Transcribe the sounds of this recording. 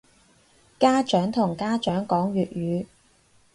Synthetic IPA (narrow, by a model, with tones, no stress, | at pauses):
kaː˥t͡ʃœː˨˥ŋt̪ʰʊ˨˩ŋkaː˥t͡ʃœː˨˥ŋkɔː˨˥ŋɥyː˨t̚jyː˨˧